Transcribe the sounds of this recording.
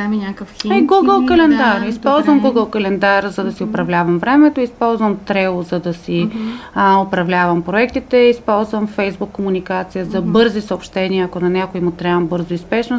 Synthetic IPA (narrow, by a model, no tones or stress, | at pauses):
minʲakəfaɡuɡəlˠkɐlɛnd̪aɾispɔlˠzvəmɡuɡəlˠkɐlɛnd̪aɾzɐd̪ɐsiʊpɾɐvlʲavɐmvɾɛmɛt̪oispɔlˠzvəmt̪ɾɛlˠozɐd̪ɐsi | opɾɐvlʲavəmpɾoɛk̚t̪it̪ɛispɔlˠzvəmfɛjzbukːomunikat̪sijəzɐbɤɾzisəoːpʃt̪ɛniəːkonɐnʲjakʊimʊt̪ɾɛɐmbɤɾzʊispɛʃno